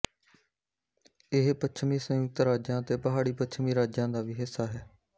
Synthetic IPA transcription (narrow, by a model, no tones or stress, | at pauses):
ɪɦpətt͡ʃʰmiːsə̃jʊk̚t̪ɾaːd͡ʒjãːət̪eːpəɦaːɽiːpətːt͡ʃʰmĩːɾaːd͡ʒjãːd̪aːʋiːɦɪsːaːɦɛː